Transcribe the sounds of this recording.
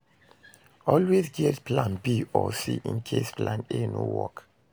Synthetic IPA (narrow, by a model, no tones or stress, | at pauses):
ɔlwezɡɛtpʰlãnbiɔsḭʔḭ̃nkʰesplãnenowɔk